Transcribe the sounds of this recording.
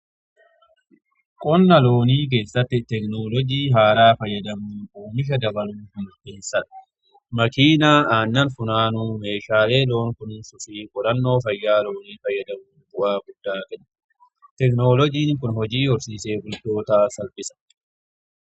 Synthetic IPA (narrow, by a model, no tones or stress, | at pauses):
kʼɔnːɐlo̞ːniːk̬e̞ːsːɐt̪ːɪt̪ɛknoːlɔd͡ʒiːɦaːɾaːfɐjːɐd̪ɐmuːkoːmɪʃ̬ɐd̪ɐbɐluːhʊnʊt̪ːɛsɐᶑɐ̥ | mɐkiːnaːʔaːnːɐnfʊnaːnuːme̞ːʃaːle̞ːlo̞ːŋkʊnnsʊfiːkʼɔɾɐnːo̞ːfɐjːaːlo̞ːniːfɐjːɐd̪ɐmuːbʊʔaːɡʊd̪̥ːaːkɐn | t̪ɛkno̞ːlɔd͡ʒiːŋkʊnhɔd͡ʒiːhɔɾsiːse̞ːɡʊld̪o̞ːt̪aːsɐlpɪsɐ̥